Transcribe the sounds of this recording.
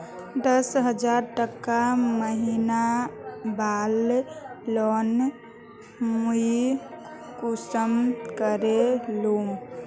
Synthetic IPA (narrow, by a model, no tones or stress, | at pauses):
d̪əsɦəd͡ʒaɾʈəkːaməɦinabalː | ɔn | mui | kusəmkəɾelum